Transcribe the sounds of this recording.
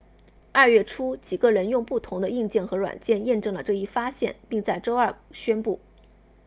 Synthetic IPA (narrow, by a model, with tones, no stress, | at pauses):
ɐ˞˥˧ɥɛ˥˩ʈ͡ʂʰu˥t͡ɕi˨˩ɡə˦ɻə˧˥njʊ˥˧ŋpu˥˩t̪ʰʊ˧˥ŋd̪ə˧i˥˧ŋt͡ɕjɛ˥˩nxɤ˧˥ɻwa̰˨˩nt͡ɕjɛ˥˧njɛ˥˧nʈ͡ʂɤ˥˩ŋlə˩ʈ͡ʂɤ˥˧i˥˩fa˥ɕjɛ̰˥˩npi˥˧ŋt͡sa˥˩ɪʈ͡ʂo˥ʊɐ˞˥˩ɕɥɛ˥npu˥˩